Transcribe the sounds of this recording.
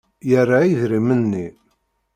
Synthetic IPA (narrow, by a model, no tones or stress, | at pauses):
jərːaiðɾimənːi